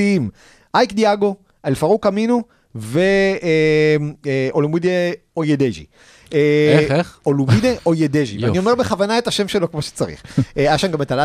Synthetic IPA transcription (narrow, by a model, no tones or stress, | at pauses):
im | ʔajkd̪iaɡo̞ | elfaʁukaminu | ve | mʔolumid̪eojed̪eʒḭ | e | olumid̪eʔojed̪eʒivanio̞meʁbeχavanae̞taʃemʃelo̞kmoʃe̥t͡saʁḭχeaaʃanɡametala